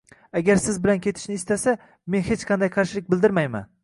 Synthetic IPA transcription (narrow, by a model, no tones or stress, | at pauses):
aɡʲaɾsɪzbɪlankʲʰe̞t̪ʰɪ̥ʃnɪːst̪asa | me̞nhet͡ʃqʰɑnd̪ajqʰɑɾʃɪlɪk̚ʲbɪld̪ɪɾmajma̰n